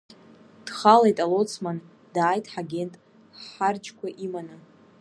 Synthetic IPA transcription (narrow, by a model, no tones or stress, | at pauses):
d̥χalajtʼalot͡sʰman | daːjtʰʼħaɡʲe̞ntʼ | ħard͡ʒkʷʰaʔimana